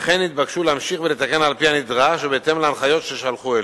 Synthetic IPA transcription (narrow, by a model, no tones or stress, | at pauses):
χenːit̪̚bakʃulehamʃiχvelet̪akenalpihamid̪ʁaʃvebeːt̪emleanχajo̞t̪ʃeʃalχuel